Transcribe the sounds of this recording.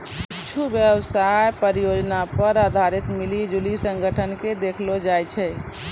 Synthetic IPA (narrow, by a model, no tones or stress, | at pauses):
it͡ʃʰubjəbsajpəɾjod͡ʒnapəɾad̪ʱaɾit̪milid͡ʒulisəŋɡʱəʈʰənked̪ekʰlod͡ʒajt͡ʃʰɛ